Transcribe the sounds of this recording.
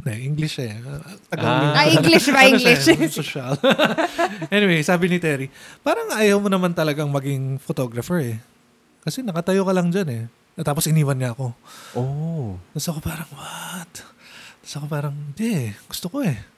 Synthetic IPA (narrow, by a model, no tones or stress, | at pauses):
nɛʔiŋɡlɪʃɛt̪ɐɡɡɐɪŋiɡliʃɐlɪsoʃal | ʔɛnɪwejsaːbɪnɪt̪ɛɾipaːɾɐŋʔɐjɐwmonɐmant̪ɐlɐɡaŋmɐɡiŋfot̪o̞ɡɾɐfɛɹɛ | kɐsɛnɐkɐt̪ɐjokɐlɐŋd͡ʒanɛ | t̪aːposʔɪniːwɐnɲɐʔɐko̞ʔot̪ɐsɐko̞paːɾɐŋwat̪t̪ɐ̥sɐkopaːɾɐŋɪnd̪ɛʔɡ̥ʊst̪oko̞ɛ